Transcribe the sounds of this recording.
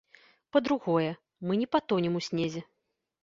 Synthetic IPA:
pɐd̪ɾuɣɔjɛ | mɨnʲɛpat̪ɔnʲɛmusʲnʲezʲɛ

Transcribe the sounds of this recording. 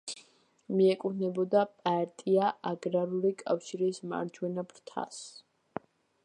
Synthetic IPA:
miɛkʼunɛbɔd̪apʼaɾt̪ʼiaʔaɡɾaɾulikʼafʃiɾisma̰ɾd͡ʒwɛnabɾt̪ʰa̰s

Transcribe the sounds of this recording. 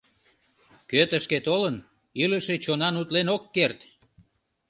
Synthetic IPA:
køt̪əʃket̪olən | iləʃet͡ɕonɑnut̪lenokːert̪

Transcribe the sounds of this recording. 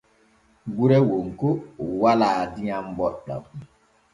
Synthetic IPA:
ɡuɾɛwoŋkowalaːdiɲambɔɗa̰m

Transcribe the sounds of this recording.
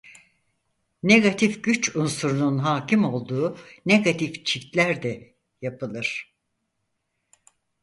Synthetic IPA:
neɡat̪ʰifɟyt͡ʃunsuɾununɦaːcʰimo̞lˠd̪uːneɡat̪ʰift͡ʃʰift̪lʲæɾd̪ɛ | japʰɯlˠɯɾ̥

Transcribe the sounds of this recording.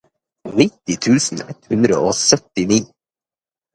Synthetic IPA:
nɪt̪ɪt̪ʰʉːsn̩ɛt̪hʉnd̪ɾə̰ʔoːsœt̪ɪniː

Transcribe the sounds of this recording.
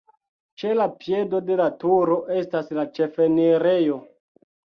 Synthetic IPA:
t͡ʃe̞lapje̞do̞de̞latuɾo̞ʔe̞staslat͡ʃe̞fe̞neɾejo̞

